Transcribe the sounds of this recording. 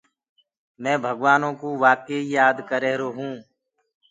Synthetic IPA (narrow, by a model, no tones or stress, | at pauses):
mɛ̃ːbʱəɡʋaːnõːkoʋaːkeijaːd̪kəɾeːɦɾoːɦũː